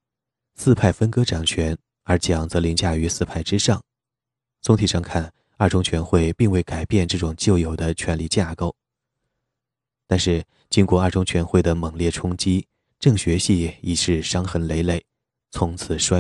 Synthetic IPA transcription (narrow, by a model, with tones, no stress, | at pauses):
sɹ̩˥˧pʰa˥˩ɪfə˥nkɤ˥ʈ͡ʂɑ˨˩ŋt͡ɕʰɥɛ˧˥n | ə˞˧˥t͡ɕjɑ˨˩ŋt͡sɤ˧˥li˧˥ŋt͡ɕja˥˩y˧˥sɹ̩˥˧pʰa˥˩ɪʈ͡ʂɻ̩˥ʂɑ˥˩ŋ | t͡sʰʊ˥ŋt̪ʰi˨˩ʂɑ˥˧ŋkʰa˥˩n | ɐ˞˥˩ʈ͡ʂʊ˥ŋt͡ɕʰɥɛ˧˥nxwe˥˧ɪpi˥˧ŋwe˥˩ɪka˨˩ɪpjɛ˥˧nʈ͡ʂɤ˥˩ʈ͡ʂʊ˨˩ŋt͡ɕjo˥˩ʊjo˨˩ʊd̪ə˦t͡ɕʰɥɛ˧˥nli˥˧t͡ɕja˥˩ko˥˩ʊ | t̪a˥˧nʂɻ̩˥˩ | t͡ɕi˥nkwɔ˧˥ə˞˥˩ʈ͡ʂʊ˥ŋt͡ɕʰɥɛ˧˥nxwe˥˩ɪd̪ə˩mɤ˨˩ŋljɛ˥˩ʈ͡ʂʰʊ˥ŋt͡ɕi˥ | ʈ͡ʂɤ˥˩ŋɕɥɛ˧˥ɕi˥˩i˨˩ʂɻ̩˥˩ʂɑ˥ŋxə˧˥nle˧˥ɪle˥˩ɪ | t͡sʰʊ˧˥ŋt͡sʰɹ̩˨˩ʂwa˥